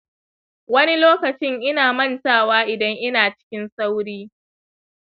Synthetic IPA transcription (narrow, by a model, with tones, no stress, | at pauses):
wɐ˦ni˦loː˦kɐ˨t͡ʃɪ˦ŋʔɪ˦naː˨mɐ˦˨ntaː˦˨waː˦ʔɪ˨dɐ˦ŋʔɪ˦naː˨t͡ʃɪ̥˦kʲɪ˦nsa˦wɽiː˦